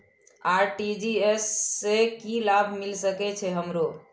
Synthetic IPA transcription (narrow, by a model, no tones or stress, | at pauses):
aɾʈid͡ʒiesːekilabʱmilsəkɛt͡ʃʰɛɦəmɾo